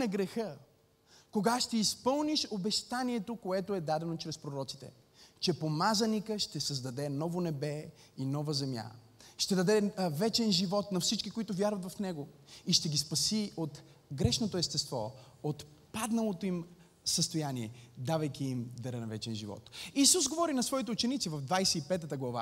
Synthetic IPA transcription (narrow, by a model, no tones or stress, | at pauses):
nɐɡɾɛxə | koɡaʃt̪ɛispɤlˠniʃobɛʃt̪aniɛt̪okoɛt̪oɛd̪ad̪ɛnot͡ʃɾɛspɾoɾɔt̪si̥t̪ɛ̰ | t͡ʃɛpomazɐnikəʃt̪ɛsəzd̪ɐd̪ɛnɔvonɛbɛ | inɔvəzɛmʲja̰ | ʃt̪ɛd̪ɐd̪ɛvɛt͡ʃɛnʒivɔt̪nɐfsit͡ʃkikoit̪ʊvjaɾvɐt̪vɐfnɛɡoiʃt̪ɛɡispɐsiot̪ | ɡɾɛʃnot̪oɛst̪ɛst̪vɔ̰ot̪ | pad̪nɐlˠot̪oim | səst̪ojaniɛd̪avɐjkʲiːmd̪ɐɾɛnɐvɛt͡ʃɛnʒivɔ̰t̪isusɡovɔɾinɐsvɔit̪ɛʊt͡ʃɛnit̪sivɐvd̪vajsɛipɛt̪ət̪əɡlˠɐva̰